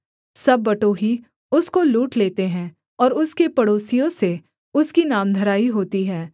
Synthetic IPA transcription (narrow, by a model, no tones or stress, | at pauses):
sɐbːɐʈoːɦi | ʊskoluːʈleːt̪eɦɛ̃ː | ɔːɾʊskepɐɽoːsɪjõse | ʊskinaːmd̪ʱɐɾaːiɦoːt̪iɦɛː